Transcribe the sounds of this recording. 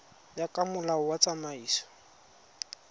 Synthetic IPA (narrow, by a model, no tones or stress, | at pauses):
jakʼamʊlaʊwat͡sʼamaiːsɔ̥